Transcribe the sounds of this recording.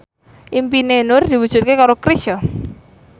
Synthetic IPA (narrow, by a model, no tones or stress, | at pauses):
ʔimpinenʊrd̪̥iwudʒ̥ʊt̪̚kekaɾokɾiʃɔ